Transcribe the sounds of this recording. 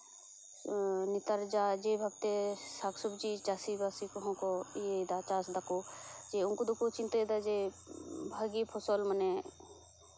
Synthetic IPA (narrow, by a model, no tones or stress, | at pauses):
nɪt̪əɾd͡ʒaːd͡ʒebʱab̚t̪esaːksubd͡ʒit͡ʃaːsibaːsikoɦõkoijed̪at͡ʃaːsd̪akod͡ʒeʊnkod̪ukot͡ʃint̪ed̪ad͡ʒe | bʱaɡipʰosolməne